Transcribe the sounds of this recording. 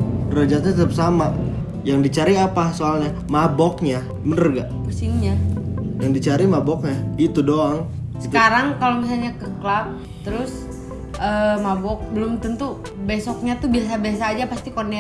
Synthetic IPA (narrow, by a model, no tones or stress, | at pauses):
rəd͡ʒat̪̚ɲat̪əɾup̚sama | jaŋdit͡ʃaɾiapasoalɲa | mabɔk̚ɲa | mənərɡaʔpusɪŋɲajaŋdit͡ʃaɾimabɔk̚ɲaɡit̪udoaŋsə̥kaɾaŋkalomis̬alɲakəklap̚ | t̪əɾʊs | əmabɔk̚bəlʊmt̪ənt̪u | besɔk̚ɲat̪ubias̬abəasaːd͡ʒapast̪ikone